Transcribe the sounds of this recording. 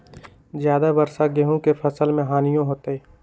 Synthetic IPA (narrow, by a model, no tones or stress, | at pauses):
zjaːd̪abɐɾsaɡeɦũkepʰɐsəlmẽɦaːnijõɦoːt̪eeː